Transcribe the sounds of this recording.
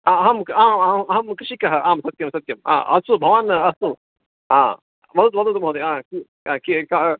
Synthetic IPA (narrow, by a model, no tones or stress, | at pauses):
aɐɦɐmkaːmamɐɦɐmkɾɪʂikɐɦɐʔaːmsɐt̪̚jɐmsɐt̪jɐma̰ːʔɐ̰subʱɐʋanɐsu | a̰ː | ʋɐd̪ut̪ʋɐd̪ut̪mɦoːd̪eaːki | aːkika